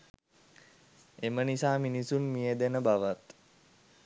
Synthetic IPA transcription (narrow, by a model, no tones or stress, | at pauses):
emənisaːminisunmijed̪enəbaʋat̪